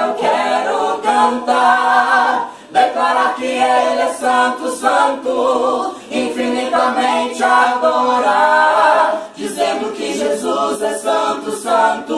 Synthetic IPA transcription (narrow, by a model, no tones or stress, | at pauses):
ewkɛɾʊkɐ̃nt̪aɾ | d̪eklaɾakɪelɛsɐ̃nt̪ʊsɐ̃nt̪ʊ | ĩfinit̪amẽt͡ʃɪad̪oɾa | d͡ʒizẽnd̪ʊkɪʒezuzɛsɐ̃t̪ʊsɐ̃nt̪ʊ